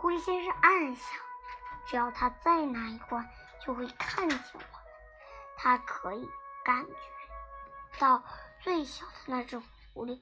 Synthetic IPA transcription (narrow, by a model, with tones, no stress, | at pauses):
kɔ˥i˥˩ɕjɛ˥ʂɻ̩˥˧a˥˧nɕjɑ˥˨˩ŋʈ͡ʂ̩˧˥jɑ˥˩ʊt̪ʰa˥t͡sa˥˩ɪna˧˥i˧˥˩kwa˥n | t͡ɕjo˥˧ʊxwe˧˥˩i˨˩kʰa˥˩nt͡ɕɛ̰˨˥˩ŋwə˩˦ | t̪ʰa˥kʰɤ˧˥i˨˩ka˧˥nt͡ɕɥɛ˧˥t̪ɑ˥˧ʊt͡swe˥˩ɪɕjɑ˨˩ʊd̪ə˨˧na˥˧ʈ͡ʂɤ˥˩ʈ͡ʂʊ˨˩ŋfu˧˥li˥˩